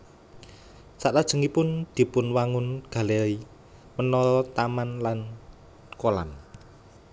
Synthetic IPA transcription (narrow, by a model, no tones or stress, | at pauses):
saʔt̪ad̥ʒ̥ə̤ŋipʊnd̪̥i̤pʊnwaŋʊnɡ̥a̤lei | mənɔlɔt̪amanlan | kola̰n